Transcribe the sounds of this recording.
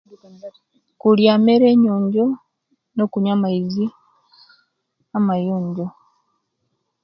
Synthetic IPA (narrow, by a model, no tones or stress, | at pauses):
kuljaːmeɾe̞ɲoːɲɟo | no̞kuɲamaizi | amajoːɲɟo